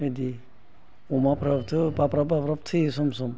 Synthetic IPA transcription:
ed̪i | umapɾapt̪ʰɯpapɾapapɾap̚t̪ʰɯsumsum

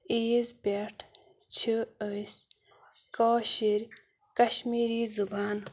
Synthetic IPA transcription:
iːzbeʈʰ | t͡ɕʰiəs | kaːɕiɾ | kɐɕmiɾizubaːn

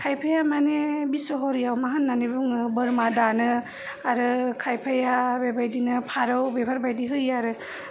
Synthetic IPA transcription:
kʰajpʰajamanebisɔɦɔɾijawmaɦanːanibuŋbɯɾmadanɯ | aɾɯkʰajpʰajabebajdinɯpʰaɾɯwbebʰʱaɾbajdiɦɯjaɾɯ

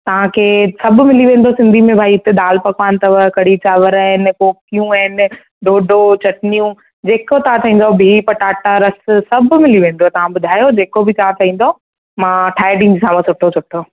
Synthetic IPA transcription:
t̪ɐʋ̤ãkʰeːsɐbʱʊ̆mɪliʋẽːnd̪osɪ̃nd̪ʱimẽbʱaːiɪt̪eɗ̪aːlpɐkʋaːnɪ̆t̪ɐʋəkɐɽ̤it͡ɕaːʋəɾaːɦɪnɪkoːkijũɐɦɪnɪ | ɖoːɖot͡ɕɐʈnijũ | d͡ʑeːkot̪ɐãt̪ʰɐĩːn̆d̪obʱipɐʈaːʈaɾɐssɐb̆ʱmɪliʋẽːn̆d̪ot̪ɐʋ̤ãbʊd̪ʱaːjod͡ʑeːkobʱɪt̪ʰaat̪ʰɐĩːn̆d̪o | mãːʈʰaːjɖɪ̃ŋd͡ʑsãːmə̃sʊʈʰosʊʈʰo

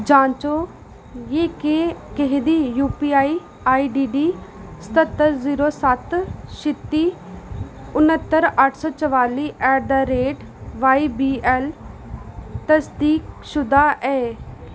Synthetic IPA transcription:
d͡ʒãːnt͡ʃo | jeːkekeɦd̪ijuːpiaːi | aːiɖiːɖist̪ət̪ːəɾziːɾosat̪ʃɪt̪ːi | ʊnət̪ːəɾaʈʰsɔːt͡ʃəʋaːliːʔɛːɾd̪aɾeːʈ | ʋaːibiːɛl | t̪ɐsd̪iːkʃʊd̪aʔɛː

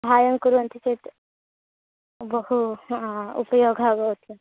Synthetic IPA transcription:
bʱajəŋkuɾunt̪iset̪ | bəhu | ṵpəjoɡʱaɡəɦot̪le

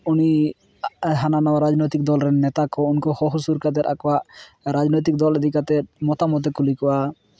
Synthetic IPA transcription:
uni | ɦananawaɾad͡ʒnɔjt̪ik̚d̪ɔlɾɛnɛt̪akɔunkɔhɔɦusuɾkad̪ɛɾa̰kɔwaʔ | ɾad͡ʒnɔjt̪̬ik̚d̪ɔlɛd̪ikat̪ɛt̪mɔt̪amɔt̪̬ɛkulikɔwa

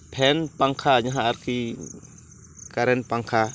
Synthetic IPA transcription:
pʰɛnpaŋkʰaɲaɦaːɾkʰi | kaɾɛnpaŋkʰa

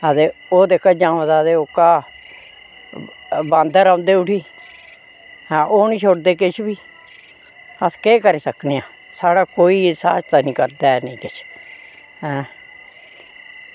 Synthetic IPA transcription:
əd̪eːoːd̪eːkʰːad͡ʒãːd̪aːd̪eːokaː | bãːnd̪əɾãːnd̪eːʊʈʰiː | ɦɛ̃ːʔoːnĩːt͡ʃʰoɽd̪eːkɪt͡ʃʰbiː | əskeːkəɾeːsəkneːãː | saːɽaːkoːiːsa̰ːd͡ʒt̪aːnĩːkəɾd̪aːɛnə̃ĩːkɪt͡ʃʰ | ɦɛ̃ː

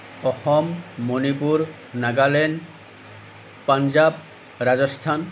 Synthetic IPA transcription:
ɔxɔmːonipuɹ | naɡalɛn | pand͡ʒab̚ | ɾad͡ʒɔst̪ʰan

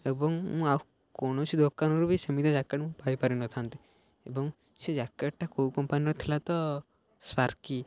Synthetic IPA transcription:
ebɔŋmũa | koñot͡ʃʰid̪okanoɾubʱisɐmid̪ʱad͡ʒakːeɽmũpaɾipaɾinɔt̪ʰant̪i̥ | ebɔŋ | sed͡ʒakːeʈʈːakoukɔmpaniɾɔt̪ʰilat̪ɔ | swaɾki

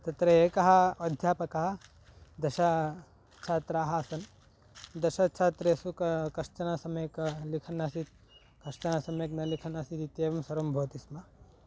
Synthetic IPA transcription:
t̪ɐt̪ɾɐeːkɐɦɐɐd̪ʱjaːpɐkɐɦɐ | d̪ɐʃɐ | t͡ʃʰaːt̪ɾaːɦɐːsɐn | d̪ɐʃɐt͡ʃʰaːt̪ɾeːsukkɐʃt͡ʃɐnaːsɐmekɐlikʰɐnːaːsit̪̚ | kɐʂt͡ʃɐnaːsɐmeknɐlikʰɐnaːsit̪it̪eːʋɐmsɐɾombʱoːt̪ismɐ

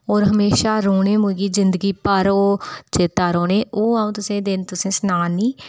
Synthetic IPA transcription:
oːɾɦəmeːʃaːɾoːɳeːmʊ̃ɡiːzɪnd̪əɡiːpəɾoːt͡ʃeːt̪aːɾoːnẽːoːaːũːt̪ʊsẽːd̪ɪnt̪ʊsẽːsnaːniː

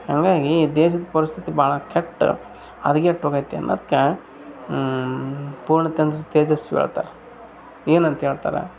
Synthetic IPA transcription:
hɐŋɡaːɡid̪eːʃ̬ɐd̪ɐpɐɾist̪ʰit̪ibaːɭɐkeʈː | ɐ̰d̪ɐkːɛʈːoɡajt̪ːḛnːɐ̰d̪ɐkːe | puːɾɳɐt̪jɐnd̪ɾɐt̪eːd͡ʒɐsʋḛːɭt̪a̰ːɾe | eːnɐnt̪ɐɦeːɭt̪a̰ːɾḛ

